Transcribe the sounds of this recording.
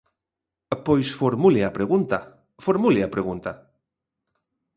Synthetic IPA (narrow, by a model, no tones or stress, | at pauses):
pojsfoɾmulɪapɾeɣunt̪a | foɾmulɪapɾeɣunt̪a